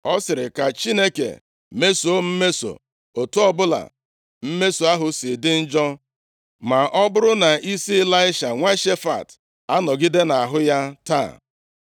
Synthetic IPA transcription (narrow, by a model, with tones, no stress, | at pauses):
ɔ˦sɪ˨ɾɪ˨ka˨t͡ʃi˦ne˦kḛ˨ | me˦so˨˦m̩˦me˦so̰˨ | o˨tu˦ɔ˦bʊ˦la̰˨ | m̩˦me˦so˨a˦ɦʊ˦sɪ˨dɪ˦n̩˦d͡ʒɔ˦ | ma˨ʔɔ˦bʊ˦ɾʊ˦na˨ʔi˦si˦la˦ɪ˦ʃa˨ŋʷa˦ʃe˦fa̰˨t | a˦nɔ˨ɡɪ˦de˦na˨ɦʊ˦ja˦ta̰˦˨